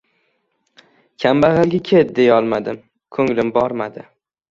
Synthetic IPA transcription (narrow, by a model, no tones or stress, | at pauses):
kʲʰambaʁɨlɡʲakʲʰet̪̚d̪e̞jɒlˠmad̪ɪm | kʰɵŋlɪmbɒɾmad̪ɪ